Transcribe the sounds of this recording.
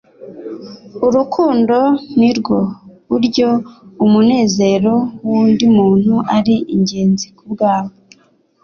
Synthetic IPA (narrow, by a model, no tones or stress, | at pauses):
uɾukʰuːndo̞niɾɡo̞βuɾɟo̞umune̞ːze̞ɾo̞wuːndimuːn̥huʔaɾiʔiɲɟe̞ːnzikubɡaːmo